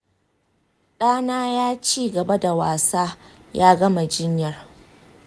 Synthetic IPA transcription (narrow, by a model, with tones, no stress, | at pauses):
ɗaː˦naː˦jaː˦t͡ʃiː˦ɡɐ˨ba˦da˨waː˨saː˦ | jaː˦ɡɐ˦ma˨d͡ʒɪ˦ɲjɐ˨r